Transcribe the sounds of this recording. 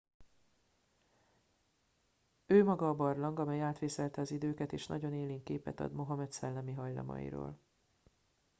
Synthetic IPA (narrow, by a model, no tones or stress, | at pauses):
øːmɒɡɒːbɒrlɒŋɡɒmɛjaːt̪ʋeːsɛlt̪ɛɒzid̪øːkɛt̪eːʃnɒ̰ɟo̞neːliːŋkeːpɛ̰t̪ɒ̰d̪mo̞ɦɒmɛt̪sɛlːɛmiɦɒjlɒ̰mɒ̰jḭɾo̰ːl